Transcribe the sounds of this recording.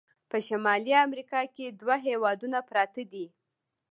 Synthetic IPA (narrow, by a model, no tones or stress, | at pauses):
pəʃamɑliamɾikɑked̪waɦewɑd̪unapɾɑt̪ad̪i